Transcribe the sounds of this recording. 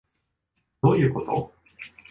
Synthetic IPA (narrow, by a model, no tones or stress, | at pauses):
d̪o̞ːjɯ̟ːko̞t̪o̰